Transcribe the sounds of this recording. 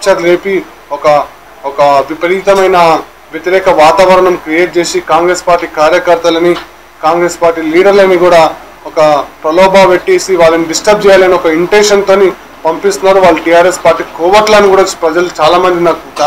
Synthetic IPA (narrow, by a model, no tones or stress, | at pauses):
t͡ʃɐɾleːpi | ɔkɐ | ɔkɐʋipɐɾit̪ɐmɐjnɐ | ʋjet̪iɾɛːkɐʋaːt̪aːʋɐɾɐɳɐmkɾijeːʈ̚t͡ʃe̞ːsikaːŋɡɾe̞ːspaːɾʈːiːkaːɾjɐkɐɾt̪ɐlɐni | kaːŋɡɾe̞ːspaːɾʈiːliːɖɐɾlɐnːiɡuːɽaː | ɔkɐpɾɐlɔːbaːʋeʈːeːsiʋaːlːɐniɖisʈɐb̚t͡ʃɛːjaːlɐniɔkɐiɳʈenʂɐnt̪oːni | pɐmpist̪unːaːɾuʋaːɭːuʈiːjaːɾespaːɾʈːiːkoːʋɐʈlɐniɡuːɽapɾɐd͡ʒɐlut͡ʃaːlaːmɐnd̪inakua